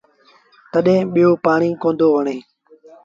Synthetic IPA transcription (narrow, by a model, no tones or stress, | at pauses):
t̪əɗɦẽːɓɪjoːpaːɳiːkõːnd̪oːʋəɳeː